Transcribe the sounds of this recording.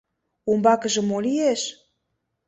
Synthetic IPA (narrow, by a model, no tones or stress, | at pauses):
umbɑkə̆ʒə̆molieʃ